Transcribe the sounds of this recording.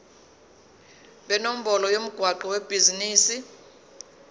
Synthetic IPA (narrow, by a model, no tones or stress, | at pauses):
ɓɛnom̩bɔlɔjom̩ɡ̥ʱwaǃɔweb̥ʱiziniːsi